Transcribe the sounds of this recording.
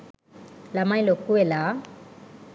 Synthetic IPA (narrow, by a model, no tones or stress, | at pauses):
lamajlokːuwela